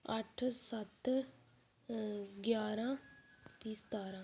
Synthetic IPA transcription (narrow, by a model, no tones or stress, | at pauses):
ɐʈʰːsɐt̪ː | ɡjaːɾãːpiːst̪aːɾãː